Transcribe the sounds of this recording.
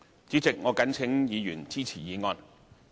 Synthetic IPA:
t͡siː˨˥t͡sɪ˨k̚ŋɔː˨˧kɐ˨˥nt͡sʰɪ˨˧˥ŋjiː˨˧jyː˨˩nt͡siː˥t͡sʰiː˨˩jiː˨˧ŋɔː˧n

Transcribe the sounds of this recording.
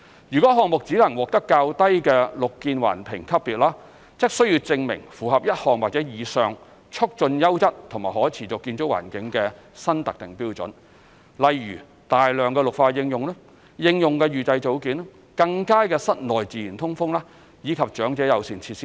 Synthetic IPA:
jyː˨kɔ˨˦˥ɦɔː˨ŋmʊ˨k̚t͡siː˨˥lɐ˨˩ŋwɔː˨k̚t̪ɐ˥kːaː˧wt̪ɐ˥jkɛː˧lʊ˨kːiː˧nwa̰ː˨˩npʰɪ̰˨˩ŋkʰɐ˥p̚piː˨t̚laː˥ | t͡sɪ˥k̚sɵ˥ɥji˧wt͡sɪ˧ŋmɪ̰˨˩ŋfuː˨˩ɦɐ˨p̚jɐ˥t̚hɔː˨˩ŋwaː˨t̚t͡sɛː˨˥jiː˨˧sœː˨ŋ | t͡ʃʰʊ˥k̚t͡ʃɵ˧njɐ˥wt͡sɐ˥t̚t̪ʰʊ˨˩ŋmaː˨jhɔː˨˥jt͡sʰiː˨˩t͡sʊ˨kːiː˧nt͡ʃʊ˨˥k̚wa̰ː˨˩nkɪ˨˥ŋkɛː˧ | sɐ˥nt̪ɐ˨k̚t̪ɪ˨ŋpiː˥wt͡sɵ̰˨˥n | lɐ˨jɥyː˨˩ | t̪aː˨jlœː˨˧ŋkɛː˧lʊ˨k̚faː˧jɪ˧ŋjʊ˨ŋlɛ˥ | jɪ˧ŋjʊ˨ŋkɛː˧ɥyː˨˩t͡sɐ˧jt͡so˨˥wkiː˨˥n˥ | kɐ˧ŋkaː˥jkɛː˧sɐ˥t̚lɔː˨˩jt͡siː˨ji˨˩nt̪ʰʊ˥ŋfʊ˥ŋlaː˥ | jiː˨˧kʰɐ˨p̚t͡ʃœː˨˥ŋt͡sɛː˨˥jɐ˨˧wsiː˨˩nt͡sʰiː˧t̚siː˥

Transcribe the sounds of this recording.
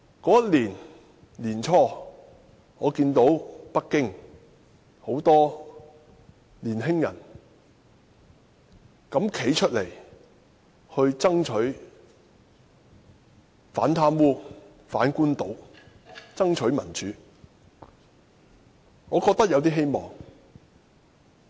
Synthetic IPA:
kɔː˨˥jɐ˥t̚liː˨˩n | liː˨˩nt͡ʃʰɔː˥ | ŋɔː˨˧kiː˧nt̪o˨˥wpɐ˥k̚kːɪ˥ŋ | ho˨˥wt̪ɔː˥ | liː˨˩nɦɪ˥ŋjɐ˨˩n | kɐ˨˥mkʰe˨˥jt͡ʃʰɵ˥t̚le˨˩j | hɵ˧ɥt͡sɐ˥ŋt͡ʃʰɵ˨˥ɥ | faː˨˥nt̪ʰaː˥mwuː˥ | faː˨˥nkuː˥nt̪o˨˥w | t͡sɐ˥ŋt͡ʃʰɵ˨˥ɥmɐ˨˩nt͡ʃʰyː˨˥ | ŋɔː˨˧kɔː˧k̚t̪ɐ˥k̚jɐ˧wt̪iː˥ɦe˥jmɔː˨˩ŋ

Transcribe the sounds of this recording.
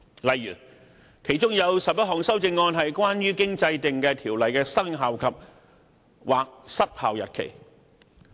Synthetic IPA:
lɐ˨jɥyː˨˩ | kʰe˨˩jt͡ʃʊ˥ŋjɐ˨˧wsɐ˨p̚jɐ˥t̚ɦɔː˨˩ŋsɐ˥wt͡sɪ˧ŋːɔː˧nɦɐ˨jkwaː˥nɥyː˥kɪ˥ŋt͡sɐ˧jt̪ɪ˨ŋkɛː˧t̪ʰiː˨˩wlɐ˨jkɛː˧sɐ˥ŋɦaː˨wkʰɐ˨p̚ | wʔaː˨k̚sɐ˥t̚haː˨wjɐ̰˨t̚kʰḛ˨˩j

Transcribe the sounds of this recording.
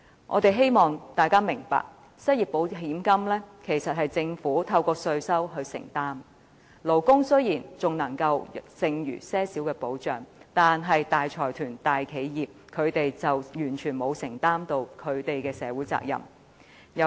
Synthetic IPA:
ʔɔ̰ː˨˧t̪e˨jɦe˥jmɔː˨ŋt̪aː˨jkaː˥mɪ˨˩ŋpa̰ː˨k̚ | sɐ˥t̚jiː˨˩p̚po˨˧wɦiː˨˥mkɐ˥mlɛː˥kʰe˨˩jsɐ˨t̚ɦɐ˨jt͡sɪ˧ŋfuː˨˥t̪ʰɐ˧wkɔː˧sɵ˧ɥsɐ˥wɦɵ˧ɥsɪ̰˨˩ŋt̪aː˥m | lo˨˩wkʊ˥ŋsɵ˥ɥjiː˨˩nt͡sʊ˨˩ŋnɐ˨˩ŋkɐ˧wsɪ˧ŋjy̰ː˨˩sɛː˥siː˨˥wkɛː˧po˨˧˥wt͡ʃœː˨˩ŋt̪aː˨nɦɐ˨jt̪aː˨jt͡sʰɔː˨˩jt̪ʰyː˨˩nt̪aː˨jkʰe˨˧jjiː˨p̚kʰɵ˨˧t̪e˨jt͡sɐ˨wjyː˨˩nt͡ʃʰyː˨˩nmo˨˧wsɪ˨˩ŋt̪aː˥mt̪o˧wkʰɵ˨˧ɥt̪e˨jkɛː˧sɛː˨˧wuː˨˥jt͡sa̰ː˧k̚jɐ̰˨˩m | jɐ˨˧

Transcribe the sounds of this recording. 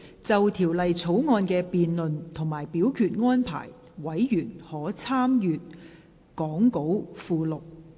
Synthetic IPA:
t͡sɐ˨wt̪ʰiː˨˩wlɐ˨jt͡sʰo˨˥wŋɔː˧nkɛː˧piː˨˧nlɵ˨nt̪ʰʊ˨˩ŋmaː˨˩jpiː˨˥wkʰyː˧t̚ŋɔː˥npʰa̰ː˨˩j | wɐ˨˥jːyː˨˩nhɔː˨˥t͡sʰaː˥mjyː˨t̚ | kɔː˨˥ŋko˨˥wfuː˨˧lʊ˨k̚

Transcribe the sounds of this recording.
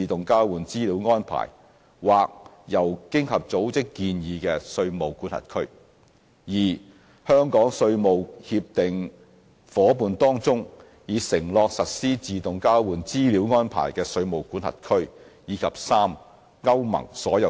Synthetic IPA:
i˨t̪ʊ˨ŋkaː˥wwuː˨nt͡siː˥li˨˥wŋɔː˥npʰa̰ː˨˩j | waː˨k̚ | jɐ˨˩wkɪ˥ŋhɐ˨p̚t͡so˨˥wt͡sɪ˥kːiː˧njiː˨˧kɛː˧sɵ˧ɥmo˨wkuː˨˥nhɐ̰˨˩t̚kʰɵ˥ɥ | jiː˨˩ | hœː˥ŋkɔː˨˥ŋsɵ˧ɥmo˨whiː˧p̚t̪ɪ˨ŋ | fɔː˨˥puː˨˧nt̪ɔː˥ŋt͡sʊ˥ŋ | jiː˨˧sɪ˨˩ŋlɔː˧k̚sɐ˨t̚siː˥t͡siː˨t̪ʊ˨ŋkaː˥wwuː˨˩nt͡siː˥liː˨˥wŋɔː˥npʰa̰ː˨˩jkɛː˧sɵ˧ɥmo˨wkuː˨˥nhɐ̰˨˩t̚kʰɵ˥ɥ | jiː˨˧˥kʰɐ˨p̚saː˥m | ŋɐ˥wmɐ̰˨˩ŋsɔː˨˥jɐ˨˧

